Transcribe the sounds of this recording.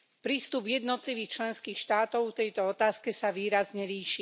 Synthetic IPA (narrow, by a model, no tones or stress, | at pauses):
pɾiːst̪ubjɛd̪nɔt̪liʋiːxt͡ʃlɛnskiːxʃt̪aːt̪ɔʊkt̪ɛjt̪ɔɔt̪aːskɛsaʋiːɾazɲɛɾiːʃi